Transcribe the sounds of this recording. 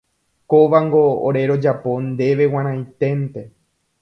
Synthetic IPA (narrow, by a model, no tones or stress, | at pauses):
koʋaŋɡo̞o̰ɾe̞ɾo̞d͡ʒapõ̞nd̪e̞ʋe̞wãɾãj̃t̪e̞nt̪e̞